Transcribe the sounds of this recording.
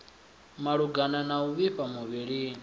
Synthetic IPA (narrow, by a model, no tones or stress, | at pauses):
maɺuɡananauβiɸamuβiɺi